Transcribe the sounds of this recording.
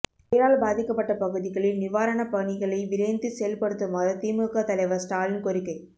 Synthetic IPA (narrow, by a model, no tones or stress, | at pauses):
ɐɾaːlbaːðɪkːɐpːɐʈːɐpɐɣɯðɪɣɐɭɪnnɪʋaːɾɐɳɐpɐɳɪɣɐɭɐɪʋɪɾɐjnd̪ɯsɛjɐlpɐɽɯt̪ːɯmaːðɐt̪ːiːmɯɣɐt̪ɐlɐɪʋɐsʈaːlɪnkɔɾɪkːɐɪ